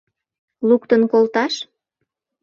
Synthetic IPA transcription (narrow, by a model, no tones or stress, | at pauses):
lukt̪ənkolt̪ɑʃ